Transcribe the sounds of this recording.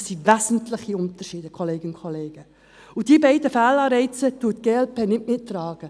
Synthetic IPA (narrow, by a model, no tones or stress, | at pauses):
sivæzn̩tlɪχiʊnt̪əɾʃiːdəkʰoleːɡ̥ənʊkʰχoleːɡ̥ə | ud̥iːbɛɪdəfæːlɑːɾɛɪt͡sətuətɡ̥eːɛlpʰeːnɪtmɪtːrɑːɡ̥ə